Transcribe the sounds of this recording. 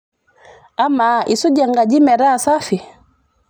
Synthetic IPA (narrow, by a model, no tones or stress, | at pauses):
amaʔisɔd͡ʒɛŋɡad͡ʒimɛɾasafi